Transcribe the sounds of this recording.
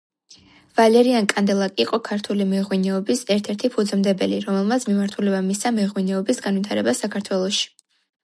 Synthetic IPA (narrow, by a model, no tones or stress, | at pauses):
v̥alɛɾiankʼand̪ɛlˠakʼiqʼɔkʰaɾt̪ʰulimɛʁwinɛɔbisɛɾt̪ʰɛɾt̪ʰipʰud̪zmd̪ɛbɛliɾɔmɛlˠmat̪sʰmimaɾt̪ʰulɛbamisamɛʁwinɛɔbisɡanwit̪ʰaɾɛbasakʰaɾt̪ʰwɛlˠɔʃi̥